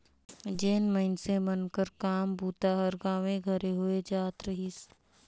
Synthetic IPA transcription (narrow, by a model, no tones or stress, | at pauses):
d͡ʒeːnməɪnsemənkəɾkaːmbʱuːt̪aɦɐɾɡaːʋẽɡʱɐɾeɦoed͡ʒaːt̪ɾəɦis